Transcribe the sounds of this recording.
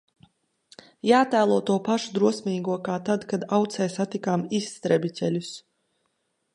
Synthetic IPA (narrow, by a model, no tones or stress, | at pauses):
jaːt̪æːlˠuɔt̪uɔpaʃud̪ɾuɔsmʲiːɡuɔkaːt̪ad̪kad̪awt̪sɛjsat̪ikaːmisːt̪ɾɛbʲicʲɛlʲus